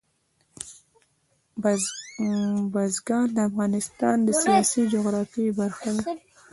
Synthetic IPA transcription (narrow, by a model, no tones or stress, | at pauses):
b | bazɡɑnd̪əafɣɑnɪst̪ɑ̰nd̪əsijɑsid͡ʒoɣɾɑfibaɾxawa